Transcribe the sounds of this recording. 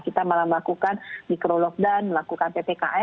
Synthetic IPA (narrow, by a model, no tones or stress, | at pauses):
kit̪amalaməlakukanmikɾolɔk̚danməlakukanpepeka̰ʔɛ